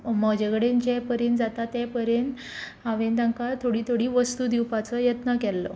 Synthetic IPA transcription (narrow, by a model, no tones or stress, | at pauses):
məd͡ʑeɡɽend͡ʑɛpəɾend͡zat̪at̪ːɛpəɾjent̪ | ɦaʋend̪ãŋkat̪ʰoɽiːt̪ʰoɽiːʋəst̪ud̪iwpat͡səjət̪nəkɛlːɔ̰